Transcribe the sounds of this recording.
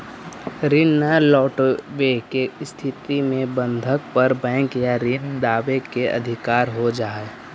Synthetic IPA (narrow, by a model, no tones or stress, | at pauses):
ɾɪnːalɔːʈʋekest̪ʰɪt̪imẽbə̃nd̪ʱək̚pəɾbɛ̃ːŋkjaɾɪnd̪aːʋekeʔɐ̰d̪ʱɪkaːɾɦod͡ʒaːe